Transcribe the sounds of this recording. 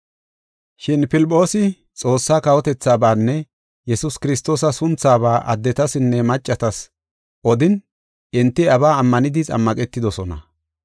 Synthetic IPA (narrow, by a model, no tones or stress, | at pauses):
ʃɪnpɪlpʼːo̞ːsɪ | t͡sʼo̞ːsːaːkɐwɔt̪ɛt͡sːaːbaːnːɛ | jɛsʊskɪɾɪst̪o̞ːsɐsʊnt͡saːbaːʔɐ̰d̪ːɛt̪ɐsɪnːɛmɐt͡ʃʼːɐt̪ɐs | ʔɔd̪ɪn | ɪnt̪ːɪɐβaːmːɐnɪd̪ɪt͡sʼɐ̰mːɐkʼɛt̪ːɪd̪ɔsɔnɐ̰